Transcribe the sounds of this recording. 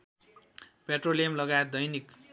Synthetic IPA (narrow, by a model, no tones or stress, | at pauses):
peʈrolijʌmlʌɡaet̪̚d̪ʌjnik